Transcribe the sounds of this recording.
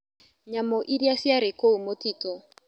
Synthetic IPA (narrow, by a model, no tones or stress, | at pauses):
ɲamoʔidiasiaɾɪkoumotiːtɔ